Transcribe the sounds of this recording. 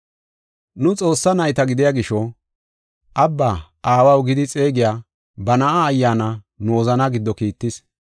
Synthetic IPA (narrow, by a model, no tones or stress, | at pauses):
nʊt͡sʼo̞ːsːɐnɐjt̪ɐɡɪd̪ɪjaːɡɪʃɔ | ʔɐbːaːʔaːwɐwɡɪd̪ɪt͡sʼe̞ːɡɪjaː | bɐnɐʔaːjːaːnɐ | noːzɐnɐɡɪd̪ːɔkiːt̪ːɪs